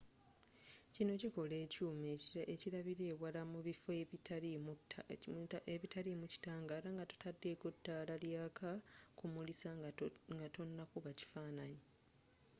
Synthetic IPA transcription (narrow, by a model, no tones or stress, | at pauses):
cino̞ciko̞leːcuːmeeciɾaβiɾe̞ːwalamuβifoet | eβitʰalimuci̥taːŋɡaːɾaŋɡato̥tʰadːe̞ːɡotːalaljaːkʰakumulisaŋɡato̞nːakuβaci̥faːnaɲi